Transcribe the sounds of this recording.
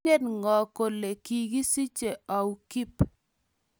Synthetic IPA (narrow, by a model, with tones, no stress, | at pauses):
e˦dŋɔ˨ko˨le˨ki˨ɡi˦si˦t͡ʃe˨ɔ˨u˦ki˦p